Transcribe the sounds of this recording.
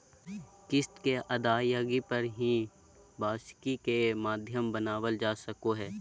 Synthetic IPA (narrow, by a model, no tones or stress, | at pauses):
kɪst̪keʔɐd̪aːjaːɡipɐɾɦĩ | bʱaːʃkikemaːd̪ʱjəmbənaːwəld͡ʒaːsɐkoɦɛː